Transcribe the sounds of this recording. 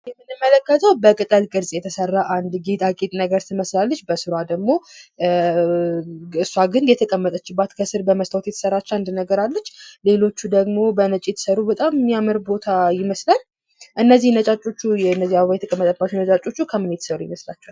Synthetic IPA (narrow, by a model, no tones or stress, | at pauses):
jɛmːɨnɨmːələkːət̪ʰəwbəkʼɨt̪ʼəlkʼɨɾsʼjɛt̪ʰəsərːaʔand̪ɡet̪ʼakʼet̪ʼnəɡəɾt̪ʰɨməslalːət͡ʃːbəsɨɾad̪əɡmo̞ | ɨsːwaɡɨnjɛt̪ʰəkʼəmːət̪ʼət͡ʃːɪbːat̪kʰəsɨɾbəməst̪ʰawot̪jɛt̪ə̥sərːat͡ʃːɛand̪nəɡəɾalːət͡ʃːle̞lo̞t͡ʃːud̪əɡmo̞bənət͡ʃʼit̪səɾubət̪ʼamːjamɨɾbo̞t̪ʰajɪməslal | ʔɨnːəzihnət͡ʃʼat͡ʃʼo̞t͡ʃːujɛɨnːəzijaβəβajɛt̪ʰəkʼəmət̪ʼəbat͡ʃːunət͡ʃʼat͡ʃʼːo̞t͡ʃːukʰəmɨnjɛt̪səɾujɪməslat͡ʃːɛwal